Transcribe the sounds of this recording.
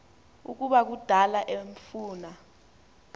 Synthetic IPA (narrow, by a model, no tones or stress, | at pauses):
ṵk̬uɓak̬ud̥ʱalaʔeɱfuːna